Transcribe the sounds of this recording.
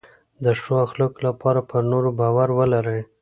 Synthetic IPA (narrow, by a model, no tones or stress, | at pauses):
d̪əʂoaxləklapɑɾapʰəɾnoɾobɑwaɾwəlaɾəj